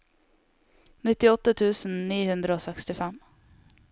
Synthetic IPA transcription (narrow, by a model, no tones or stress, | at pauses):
nɪt̪ːɪɔt̪ːət̪ʰʉːsn̩niːhʉnd̪ɾəoːsɛkst̪ɪfɛm